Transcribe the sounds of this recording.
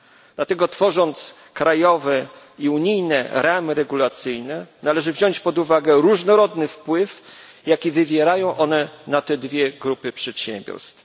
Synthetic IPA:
d̪̥lat̪ɛɡɔt̪fɔʐɔnt̪s | kɾajɔvɛ | iuɲijnɛ̰ɾamɘɾɛɡulat̪sɘjnɛnalɛʐɘvʑɔɲt͡ɕpɔd̪uvaɡɛɾuʐnɔɾɔd̪nɘfpwɘf | jakʲivɘvʲjɛɾajɔ̃w̃ʔɔnɛnat̪ɛd̪vʲjɛɡɾupɘpʂɛt̪ɕɛmbʲjɔ̰ɾst̪f

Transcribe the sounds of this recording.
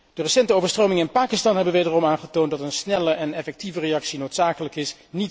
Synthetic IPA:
d̥ərəsɛntəowvəɹstrowmɪŋəɪnpaːkɪstɑnɦɛbənʋejdərɔmaːnχətowntdɑtənsnɛləʔɛnɛfɛk̚tivərejɑksinowtsaːkələkɪsnit

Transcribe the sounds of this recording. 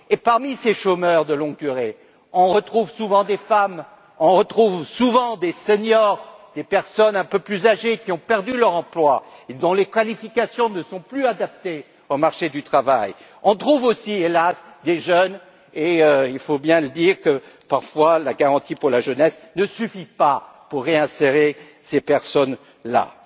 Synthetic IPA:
epaʁmiseʃomœʁd̪əlɔ̃ɡ̚d̪yʁe | ɔ̃ʁət̪χuvsuvɑ̃d̪efam | ɔ̃ʁət̪χuvsuvɑ̃d̪eseɲjɔʁd̪̥epɛʁsɔnɛ̃pøplyzaʒekʲiɔ̃pɛʁd̪ylœʁɑ̃plwaed̪ɔ̃lekalifikasjɔ̃nəsɔ̃plyad̪ap̚t̪e | omaʁʃed̪yt̪χavaj | ɔ̃t̪χuvosielasd̪eʒœn | eøilfobjɛ̃ləd̪iʁkəpaʁfwalaɡaʁɑ̃t̪ipuʁlaʒənɛsnəsyfipa | puʁːeɛ̃seʁe | sepɛʁsɔn | la̰

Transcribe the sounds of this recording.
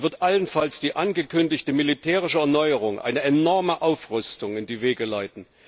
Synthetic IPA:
vɪɐtʔalənfalsd̥iːʔanɡəkʰʏndɪçtəmilitʰɛːʁɪʃəɛɐnɔʏəʁʊŋʔa̰ɪnəɛnɔɐməʔaʊfʁʏstʊŋɪndiːveːɡəlaɪtn̩

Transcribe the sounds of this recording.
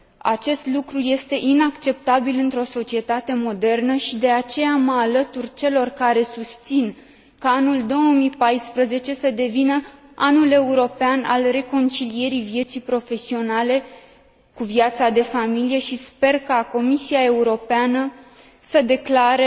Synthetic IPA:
a̰t͡ʃe̞st̪lukɾuje̞st̪e̞ʔinakt͡ʃe̞p̚t̪abilɨnt̪ɾo̞so̞t͡ʃie̞t̪at̪e̞mo̞d̪e̞rnəʃid̪e̞at͡ʃe̞jaməalət̪urʲt͡ʃe̞lo̞rkaɾe̞sust̪sin | kaanuld̪o̞wəmipajspɾəze̞t͡ʃe̞səd̪e̞vinəanule̞uɾo̞peana̰lre̞ko̞nt͡ʃilije̞ɾivije̞t̪sijpɾo̞fe̞sio̞nale̞ | kuviat̪sad̪e̞familije̞ʃispe̞rkako̞misiae̞uɾo̞peanə | səd̪e̞klaɾe

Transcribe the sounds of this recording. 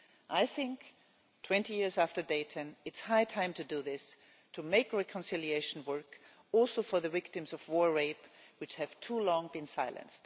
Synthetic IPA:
ʔaɪθɪ̃ŋk | tʰw̥ɛ̃ntijɪɹzæftə˞deɪɾʰɨ̃nɨtshaɪtʰãɪ̃mtʰɨdɨðɪs | tʰɨmeɪkɹɛkʰə̃nsɪlˠieɪʃn̩wɜ˞k | ɔlˠsoʊfə˞ðɨvɪktɨ̃mzʌvwɔɹɹeɪpwɨt͡ʃhɨv̥tʰulɔ̃ŋbɨ̃nsaɪlˠɨ̰̃nst

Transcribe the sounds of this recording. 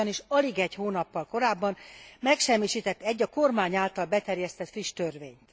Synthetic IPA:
ɒniʃɒliɡɛchoːnɒpːɒlko̞ɾaːbːɒnmɛkʃɛmːiʃiːt̪ɛt̪ːɛɟːɒko̞rmaːɲaːlt̪ɒlbɛt̪ɛrjɛst̪ɛt̪friʃt̪ørveːɲt̪

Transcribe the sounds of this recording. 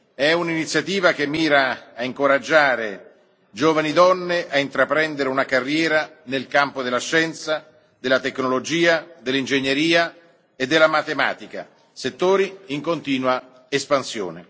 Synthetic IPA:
ɛuninit̪sːjat̪iːvak̟emːiːɾaːiŋkoɾad͡ʒːaːɾe | d͡ʒoːvanid̪ɔnːeʔaint̪ɾapɾɛnd̪eɾeunakarːjɛːɾanelkampod̪elːaʃːɛnt̪sa | d̪elːat̪eknolod͡ʒiːad̪elːind͡ʒeɲːeɾiːa | ed̪ːelːamat̪ema̰ːt̪ika̰ | set̪ːoːɾiiŋkont̪iːnwa | espansjo̰ːne

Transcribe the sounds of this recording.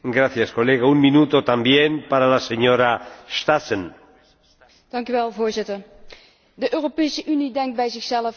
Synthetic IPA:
ɡɾaθjasko̞leɣaumːinut̪o̞t̪ambjempaɾalaseɲoɾast̪asen | d̥ɑŋkyʋɛlˠvoːɹzɪtər | dəʔøːropejsəʔynidɛŋkt̚bɛjzɪxsɛləf

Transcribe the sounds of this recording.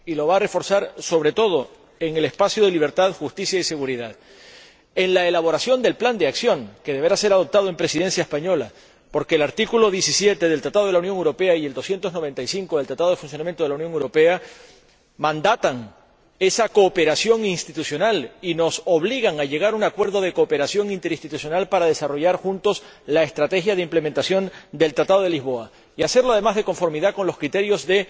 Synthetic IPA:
ilo̞βaːre̞fo̞ɾsaɾso̞β̞ɾe̞t̪o̞ð̞o̞ | e̞ŋe̞le̞spasjoðe̞liβ̞e̞ɾt̪aðxust̪isjaise̞ɣuɾiðað | e̞ŋlae̞laβo̞ɾasjo̞nd̪e̞lpland̪eaksjo̞ŋke̞ðeβe̞ɾase̞ɾað̞o̞p̚t̪aðoe̞mpɾe̞siðe̞nsjaespaɲo̞la | po̞ɾkeːlaɾt̪ikulo̞ðjesisje̞t̪eð̞e̞lt̪ɾat̪aðoelaunjoŋewɾo̞pe̞aie̞ld̪o̞sje̞nt̪o̞znoβe̞nt̪ajsiŋkoðlt̪ɾat̪aðo̞efuns̬jonamjent̪olauwnjoŋewɾo̞pe̞a | mãnd̪at̪aŋ | e̞sako̞ːpe̞ɾasjo̞ŋinst̪it̪usjo̞nalino̞so̞β̞liɣaŋaʝe̞ɣ̞aɾuŋakwe̞ɾðo̞ð̞e̞koːpe̞ɾasjo̞ŋint̪eɾist̪it̪usjo̞nalpaɾað̞e̞saro̞ʝaɾxunt̪o̞s | lae̞st̪ɾat̪e̞xjaðe̞imple̞mẽnt̪asjo̞nd̪e̞lt̪ɾat̪aðo̞ðe̞lizβo̞a | iase̞ɾloað̞emazðe̞ko̞ɱfo̞ɾmiðako̞nlo̞skɾit̪e̞ɾjo̞zðe̞

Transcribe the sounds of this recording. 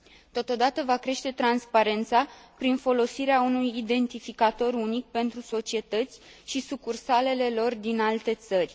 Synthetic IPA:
t̪o̞t̪o̞d̪at̪əvakɾe̞ʃt̪e̞t̪ɾanspaɾe̞nt̪sapɾinfo̞lo̞siɾeaunujid̪e̞nt̪ifikat̪o̞ɾunik̚pe̞nt̪ɾuso̞t͡ʃie̞t̪ət̪sʲʃisukursale̞le̞lo̞rd̪inalt̪e̞t̪sərʲ

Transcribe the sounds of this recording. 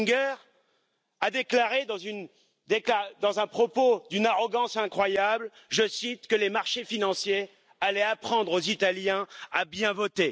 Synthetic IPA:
ɡɛʁ | ad̪eklaʁed̪ɑ̃zyn | d̪eklad̪ɑ̃zɛ̃pχɔpod̪ynaʁɔɡɑ̃sɛ̃kχwajabl | ʒəsit̪kəlemaʁʃefinɑ̃sje | alɛapχɑ̃d̪ʁozit̪aljɛ̃abjɛ̃vɔt̪e

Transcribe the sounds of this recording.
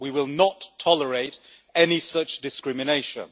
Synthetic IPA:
wiwɪlˠnətʰɒləɹeɪt | ɛnisʌt͡ʃd̥ɪskɹɪmɪneɪʃə̰̃n

